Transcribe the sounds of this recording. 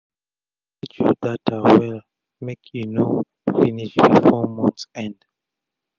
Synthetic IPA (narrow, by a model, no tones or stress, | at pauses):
it͡ʃudatʰawɛl | mekʰjuno | finiʃbifɔmɔ̃ntsɛ̃nd